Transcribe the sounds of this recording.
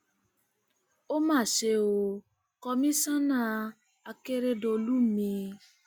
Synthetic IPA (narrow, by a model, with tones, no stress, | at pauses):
o˦mãː˦˨ʃe˧o˧ | kɔ˧mĩ˦sã˦nã˦ | a˧ke˦ɾe˧do˧lu˦mĩ˧